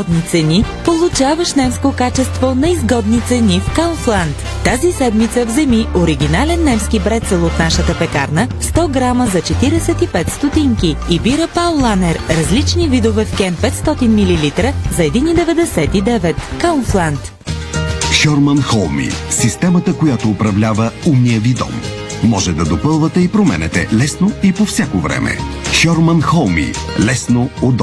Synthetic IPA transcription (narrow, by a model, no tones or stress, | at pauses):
d̪nit̪sɛnipolˠut͡ʃavəʃnɛmskokat͡ʃɛst̪vonɐizɡɔd̪nit̪sɛnifkanflˠant̪ːazisɛd̪mit̪səvzɛmiʔoɾiɡ̟ʲinalɛnːɛmskʲibɾɛt̪sɛlˠot̪naʃət̪əpɛkaɾnəfst̪ɔɡɾaməzɐt͡ʃɛt̪iɾɛsɛt̪ipɛt̪st̪ot̪iŋkiːbiɾəpalˠlˠanɛɾɾɐzlit͡ʃnivid̪ovɛfkɛnpɛt̪st̪ɔt̪inmililit̪ɾəzɐɛd̪inid̪ɛvɛd̪ɛsɛt̪id̪ɛvɛt̪kaunflˠant̪ | ʃɔɾmənxɔlˠmḭsist̪ɛmət̪əkojat̪oːpɾɐvlʲavəumniəvid̪ɔ̰mː | ɔʒɛd̪ɐd̪opəlˠvət̪ɛipɾomɛ̰nɛt̪ɛ̰lɛsnoipofsʲjakovɾɛ̰mɛ̰ʃɔɾmənxɔlˠmḭlɛsnood̪